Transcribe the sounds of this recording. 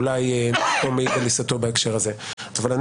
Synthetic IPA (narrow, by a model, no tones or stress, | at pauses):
lajpomeiɡalisat̪o̞baekʃe̞ʁaze̞ | avalan